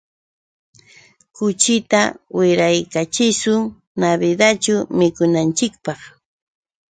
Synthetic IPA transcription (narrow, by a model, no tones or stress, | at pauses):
kʊt͡ʃɪt̪awɪɾajkat͡ʃɪsʊŋ | naβɪd̪at͡ʃʊmɪkʊnant͡ʃɪk̚pɑχ